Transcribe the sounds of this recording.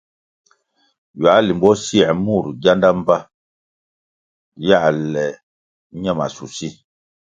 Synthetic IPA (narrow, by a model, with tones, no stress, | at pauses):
ja˨˦li˨mbɔ˦si˦ɛ˨mu˦˨ɾɟa˦nda˦m˦pa˦ | ja˦˨ʔlɛ˨ | ɲɛ˦˨ma˨su˨si˦˨